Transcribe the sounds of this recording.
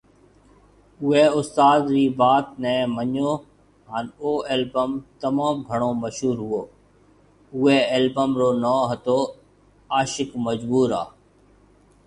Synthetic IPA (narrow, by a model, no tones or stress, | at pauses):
ʊeːʊst̪aːd̪ɾiːbaːt̪nɛ̃ːməɲoː | ɦaːnoːeːlbəmt̪əmaːmɡʱəɽ̃õːməʃɦuːɾɦʊoː | ʊeːelbəmɾoːnãːɦət̪oː | aːʃɪkməd͡ʒbuːɾa̰ː